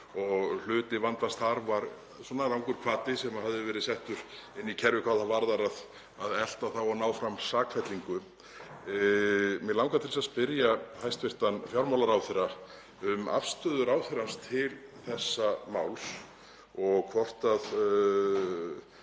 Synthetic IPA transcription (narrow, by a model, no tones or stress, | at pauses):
ɔɣl̥ʏːt̪ɪvant̪ast̪haɾvaɾ | sɔnalawŋkʏɾ̥kʰvaːt̪ɪsɛmahaðɪvɛːɾɪðsɛht̪ʏɾɪnːicʰɛɾvɪkʰvaːðθavaɾðaɾað | aðɛl̥t̪aθawanaːwfɾamsaːkʰfɛt̪liŋkʏ | mɛðlawŋkat̪ʰɪlsaðspɪɾjahajst̪vɪr̥t̪anfjawɾmawlaɾawθɛɾa | ʏma̰fst̪œːðʏɾawθɪɾanst̪ʰɪlθɛsːamaːwls | ɔɣkʰvɔr̥t̪að